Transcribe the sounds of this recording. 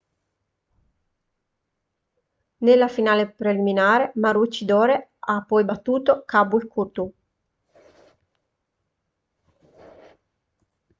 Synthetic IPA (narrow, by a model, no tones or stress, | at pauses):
nelːafinaːlepɾeliminaːɾemaɾut͡ʃːid̪ɔːɾeapːɔjbat̪ːuːt̪okabuikʰurt̪u